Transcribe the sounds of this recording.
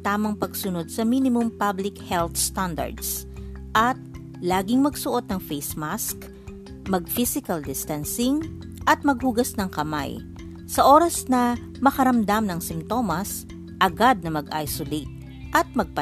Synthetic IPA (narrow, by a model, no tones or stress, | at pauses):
t̪aːmɐŋpɐɡsʊno̞d̪̚sɐminɪmʊmpablɪkhɛlt̪st̪and̪ɐ̰ɹd̪s | ʔɐt̪̚ | laːɡɪŋmɐɡsʊʔo̞d̪̚nɐŋfejsmask | mɐɡ̚fisɪkɐld̪ɪst̪ɐnsɪŋ | ʔɐt̪̚mɐɡ̚huɡɐsnɐŋkɐma̰j | sɐʔo̞ːɾɐsnɐ | mɐkɐɾɐmd̪amnɐŋsɪmt̪o̞mɐs | ʔɐɡad̪̚nɐmɐɡʔa̰jsolet̪̚ | ʔɐt̪̚mɐɡ̚pɐ